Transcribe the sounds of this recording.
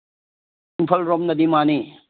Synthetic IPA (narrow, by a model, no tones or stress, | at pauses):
inpʰɐlɾɔmnɐd̪imani